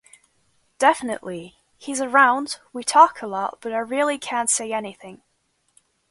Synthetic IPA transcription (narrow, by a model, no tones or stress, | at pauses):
d̥ɛfənə̰ʔlˠi | hizəɹãʊ̃ndwitʰɔkʰəlˠɔʔ̚b̥ʌɾaɪɹilˠikʰãnseɪɛnɪθɪ̃ŋ